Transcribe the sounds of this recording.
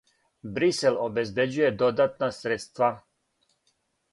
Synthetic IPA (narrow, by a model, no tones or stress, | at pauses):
bɾiselobezbed͡ʑujed̪o̞d̪at̪nasɾet̪st̪ʋa